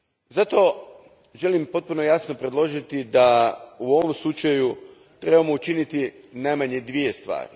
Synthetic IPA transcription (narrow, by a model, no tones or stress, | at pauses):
zat̪o̞ | ʒe̞limpo̞t̪̚punojasno̞pɾe̞d̪lˠo̞ʒit̪id̪auo̞ʋo̞mslˠut͡ʃaju | t̪ɾe̞bamout͡ʃinit̪i | najmaɲed̪ʋije̞st̪ʋa̰ːɾi